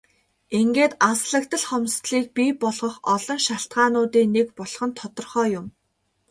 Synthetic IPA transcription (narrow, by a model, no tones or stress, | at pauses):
eŋɡeːt̪asɮə̆k̚t̪ə̆ɮχɔmst̪ɮiːk̚pipɔɮʁɞ̆χɔɮɞ̆nʃaɬt̪ɢaːnʊːt̪iːnekpɔɮ̥χɞ̆nt̪ʰɔt̪ɞ̆rχœːjʊm